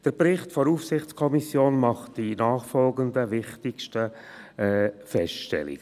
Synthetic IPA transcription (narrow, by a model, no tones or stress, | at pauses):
d̥əɾbɾɪχtfɔɾufsɪχt͡skʰɔmisjoːnmɑχtd̥inaːχfɔlɡəndəvɪχtɪkʃtəɛfɛsʃtɛ̰lḭɡ̥